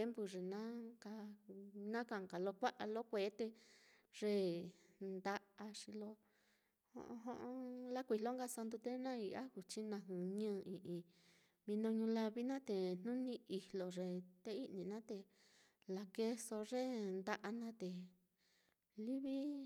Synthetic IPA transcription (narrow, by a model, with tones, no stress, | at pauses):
e˦mbu˧ʐe˨nã˦ka˧nã˦ka˧˨ka˨lo˧kʷa˦ʔa˧lo˦kʷe˧˦t̪e˧ | ʐ̥e˦˨ | nd̪a˧ʔa˧ʂi˧lo˦ | hõ̰˧ʔõ̰˧ɦõ˦ʔõ˦la˦kʷi˧˨lo˦ŋɡa˧sa˧nd̪u˧t̪e˦nã˦i˧a̰˦hu˨t͡ʃi˦nã˧ɦũ˨ɲɨ̃ː˦˧ĩ˨ʔĩ˧ | mĩ˧nõ˧ɲũ˧la˦˧βi˦nã˦t̪e˨n̥nũ˦nĩ˧i˧hlo˨ʐe˧t̪e˧i˦ʔnĩ˨nã˦t̪e˧ | la˨ke˦˧so˧ʐe˦˨nd̪a˧ʔa˧nã˦t̪e˨ | li˦βi˦